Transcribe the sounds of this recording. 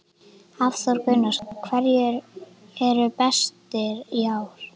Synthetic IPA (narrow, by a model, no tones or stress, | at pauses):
afθaɾkœɥnaskʰvɛɾjʏɾ | ɛɾʏpɛst̪ɪɾiaːwɾ̥